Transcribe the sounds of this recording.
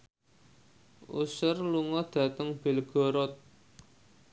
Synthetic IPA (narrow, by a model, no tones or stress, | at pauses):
ʔṵsərluŋɔd̪̥ä̤t̪əŋb̥e̤lɡ̥ɔ̤ɾɔt̪̚